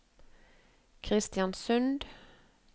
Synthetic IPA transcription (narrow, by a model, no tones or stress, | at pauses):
kʰʁɪst̪jɑnsʉnd̪